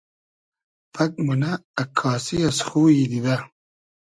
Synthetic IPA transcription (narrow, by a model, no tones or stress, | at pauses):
pʰɐk̚munaːkʰːɑːsiɐsxuːjid̪id̪ɐ